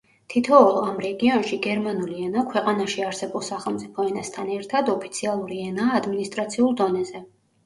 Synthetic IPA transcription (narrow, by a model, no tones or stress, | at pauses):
t̪ʰit̪ʰɔːlˠamɾɛɡiɔnʃiɡɛɾmanuliɛnakʰwɛqʼanaʃiaɾsɛbulˠsaχɛlˠmt̪sʼipʰɔɛnast̪ʰanɛɾt̪ʰad̪ɔpʰit̪sʰialˠuɾiɛnaːd̪minist̪ʼɾat̪sʰiulˠd̪ɔnɛzɛ